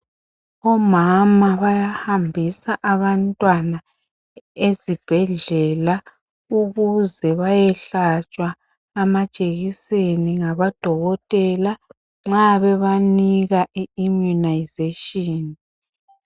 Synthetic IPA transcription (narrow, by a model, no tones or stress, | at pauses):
ɔmamaβajahambʱisaʔaβantʼwana | ezib̥ʱɛɮɛla | uɣuzɛβajɛɬat͡ʃʼwaː | mat͡ʃʼeɣiseniŋaβad̥ʱɔɣɔtʼɛla | ŋ͡ǁaβɛβaniɣaʔiːmjunajzeʃʼɔːni